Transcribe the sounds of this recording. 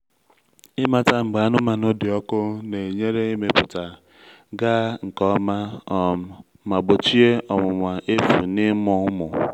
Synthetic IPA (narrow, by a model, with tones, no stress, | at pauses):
ɪ˦ma˨ta˦ŋ͡m̩˨ɡ͡ba˨a˦nʊ˦ma˨no˦dɪ˨ɔ˦kʊ˦ne˨ɲe˦ɾe˦i˦me˨pʊ˨ta˨ | ɡa˦ŋ̩˨kɔ˦ma˦ɔ˨ | ma˨ɡ͡bo˨t͡ʃi˦e˦ʔɔ˨mʊ˨ŋʷa˨e˦fṵ˨nɪ˦m˦ɔ˨˦mʊ˨